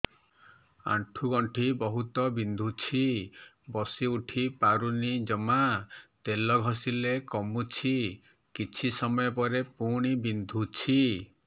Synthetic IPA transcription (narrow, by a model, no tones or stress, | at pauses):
a̰ʈʰuɡɔɳʈʰibɔɦut̪ɔbind̪ʱut͡ʃʰi | bɔsiuʈʰipaɾunid͡ʒɔmat̪elɔɡʱɔsilekɔmut͡ʃʰi | kit͡ʃʰisɔmɔjɔpɔɾepuɽ̃ibind̪ʱut͡ʃʰi